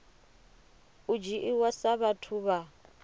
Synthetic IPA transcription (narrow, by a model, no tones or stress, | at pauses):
ud͡ʒiʔiwasaβatʰuβa